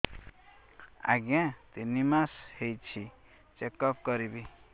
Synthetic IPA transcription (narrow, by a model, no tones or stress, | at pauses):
a̰ɡãt̪inimashejt͡ʃʰi | t͡ʃekɔp̚kɔɾibi